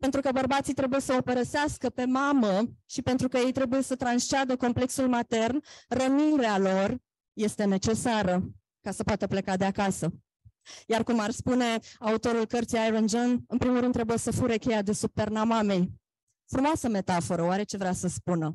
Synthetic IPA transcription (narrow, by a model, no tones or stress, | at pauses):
pe̞nt̪ɾukəbərbat̪sijt̪ɾe̞buje̞səo̞pəɾəseaskəpe̞maməʃipe̞nt̪ɾukəje̞jt̪ɾe̞buje̞sət̪ɾanst͡ʃad̪əko̞mple̞ksulmat̪e̞rnrəmiɾealo̞r | je̞st̪e̞ne̞t͡ʃe̞saɾə | kasəpoat̪əple̞kad̪eakasə | jarkumarspune̞aut̪o̞ɾulkərt̪sijajɾond͡ʒonɨnpɾimulɾɨnd̪ɾe̞bujesəfuɾekʲe̞jad̪e̞supernamame̞j | fɾumoasəme̞t̪afo̞ɾəoaɾe̞t͡ʃe̞vɾeasəspunə